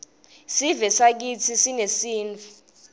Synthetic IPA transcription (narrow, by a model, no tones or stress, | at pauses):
sivɛsak̬it͡sʰisinesiːnt͡fi